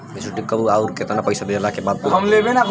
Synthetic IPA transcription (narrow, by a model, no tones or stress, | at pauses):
isuʈikːəbuauɾket̪anapəjsabʱeelakebad̪̚kɦəmlebena